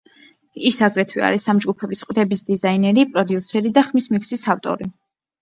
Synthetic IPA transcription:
isaɡɾɛt̪ʰwia̰ɾisamd͡ʒɡupʰɛbisqʼd̪ɛbisd̪izainɛɾipʼɾɔd̪iusɛɾid̪aχmismikʰsisaft̪ʼɔ̰ɾi

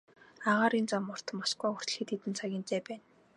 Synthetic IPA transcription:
aʁaːɾint͡samːʊr̥t̪ə̆masɡuːxʊr̥t̪̆ɮxiːt̪ʰːet̪ɘ̆nt͡sʰaɣʲiːnt̪eːpæːn

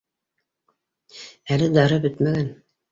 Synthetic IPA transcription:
ælɘd̪ɑɾɤbɵt̪mæɡæn

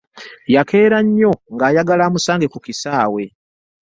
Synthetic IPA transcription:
jake̞ːɾaɲːo̞ŋɡaːjaɡalaːmusaːŋɡe̞kukisaːwe̞

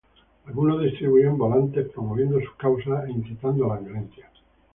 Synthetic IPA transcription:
alɣunozðist̪ɾiβuiembolant̪epɾomoβje̞nd̪osu̥kawsaeiŋkjet̪and̪oalaβjolẽnθja

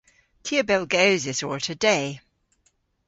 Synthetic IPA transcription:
tʰiəbɛlˠɡəʊzɪsəɹtʰədeɪ

